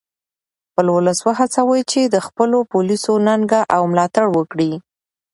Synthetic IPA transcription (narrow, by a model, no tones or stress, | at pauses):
xpəlwʊləswaɦat͡sawəjt͡ʃed̪əxpəlopulisonaŋɡaʔawmlɑt̪aɽwəkɽi